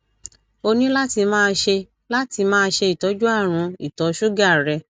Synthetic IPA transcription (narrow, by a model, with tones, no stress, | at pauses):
o˧nĩ˦la˦ti˧mãː˦˧ʃe˧ | la˦ti˧mãː˦˧ʃe˧i˨tɔ˨˦d͡ʒu˦a˦˨ɾ̃ũ˧i˨tɔ˨˦ʃu˦ɡa˦˨ɾɛ˧